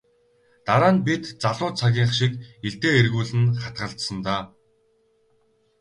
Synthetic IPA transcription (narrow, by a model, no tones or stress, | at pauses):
t̪aɾaːnpit̪t͡saɮʊːt͡sʰaɣʲiːɴχʃikeɮt̪eːerɣuːɮɘ̆nχat̪̚ɢə̆ɬt̪sə̆nt̪aː